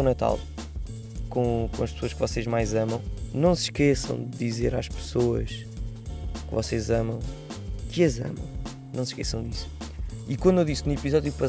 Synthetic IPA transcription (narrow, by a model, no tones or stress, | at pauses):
nɐt̪a̰lˠ | kõkõɐʃpsoɐʃkvɔseʒmajzɐmɐ̃w̃nɐ̃w̃sʃkesɐ̰̃w̃d̪ɨizeɾaʃpsoɐ̰ʃ | kɨvɔsezɐmɐ̃w̃ | kɨɐzɐ̰mɐ̰̃w̃ | nɐ̃w̃sʃkɛsɐ̃w̃d̪isu̥ikwɐ̃nd̪ewðisnuipizɔðjupɐ